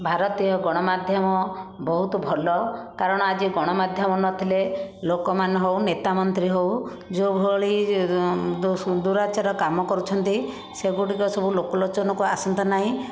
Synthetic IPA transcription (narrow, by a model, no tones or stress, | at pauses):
bʱaɾɔt̪iɔɡɔɽ̃ɔmad̪ʱjɔmɔbɔɦut̪ɔbʱɔlɔkaɾɔɽ̃ɔad͡ʒiɡɔɽ̃ɔmad̪ʱjɔmɔnɔt̪ʰilelokɔmanɦownet̪amɔnt̪ɾiɦow | d͡ʒobʱoɭi | d̪uɾat͡ʃaɾɔkamɔkɔɾut͡ʃʰɔnt̪i | seɡuʈikɔsɔbʱulokɔlot͡ʃɔnɔkuasɔnt̪ɔnaɦĩ